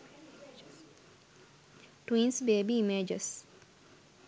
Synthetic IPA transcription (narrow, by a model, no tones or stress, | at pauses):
twinsbebimɛd͡ʒɔs